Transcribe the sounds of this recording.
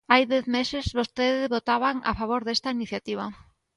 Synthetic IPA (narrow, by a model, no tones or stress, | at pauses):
ajðɛθmesɪzβost̪eðɪβot̪aβaŋa̰faβ̞oɾðest̪ainiθjat̪iβ̞a